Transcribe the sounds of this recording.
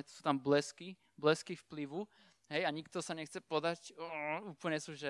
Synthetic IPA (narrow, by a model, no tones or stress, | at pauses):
ɛsu̥ːt̪amblɛski | blɛskifpliʋu | ɦɛjaɲikt̪ɔsaɲɛxt͡sɛpɔd̪acuːpl̩ɲɛsuːʒɛ